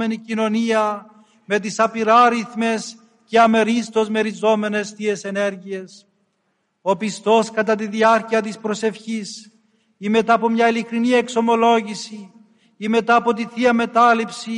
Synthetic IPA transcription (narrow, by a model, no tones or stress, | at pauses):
me̞nicino̞niɐ | me̞t̪̬isɐpiɾɐɾiθme̞s | ceɐme̞ɾist̪o̞zme̞ɾizo̞me̞ne̞st̪ie̞se̞ne̞ɾʝies | opist̪o̞skɐt̪ɐt̪iðiɐɾciɐt̪ispɾo̞se̞fçis | ime̞t̪ɐːpo̞mɲɐilikɾinie̞kso̞mo̞lo̞ʝisi | ime̞t̪ɐːpo̞t̪iθiɐme̞t̪ɐlipsi